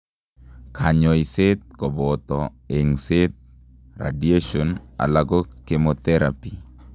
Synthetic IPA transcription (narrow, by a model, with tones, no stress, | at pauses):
kʰaɲɔ˨i˨se˦t̪̚kɔ˨bɔt̪ɔ | e˨ŋse˦t̪̚ | ra̰˨die˦ʃɔna̰˨la˨ɡɔ˦ke˨mot̪ɛɾa̰pi˨